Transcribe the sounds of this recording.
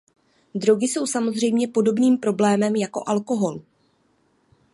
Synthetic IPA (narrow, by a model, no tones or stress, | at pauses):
dɾo̞ɡɪso̞wsamo̞zr̝ɛjmɲɛpo̞do̞bniːmpɾo̞blɛːmɛmjako̞̰ʔalko̞ɦo̞l